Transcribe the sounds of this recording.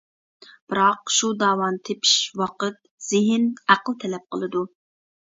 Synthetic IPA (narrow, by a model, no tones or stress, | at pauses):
b̥ɨɾɑqʃud̪ɑːwɑnt̪ʰepʰi̥ʃwɑqət̪̚ | z̥ɪɦɪnæqəlˠt̪ʰɛlɛp̚qəlˠɨd̪u